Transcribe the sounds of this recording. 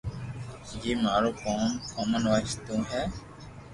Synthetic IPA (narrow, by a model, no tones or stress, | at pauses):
jeːmaːɾoːkoːmkʰoːmənʋət͡ʃt̪ũːɦɛː